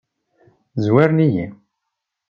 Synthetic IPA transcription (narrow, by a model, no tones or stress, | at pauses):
zwaɾnijḭn